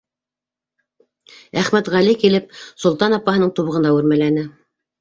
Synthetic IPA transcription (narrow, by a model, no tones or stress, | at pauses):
æχmæt̪ʁælikilɘp̚sŏlˠt̪ɑnɑpːɑɦɤ̆nɤɴt̪uβɤ̆ʁɤ̆nd̪ɑʉɾmælænɘ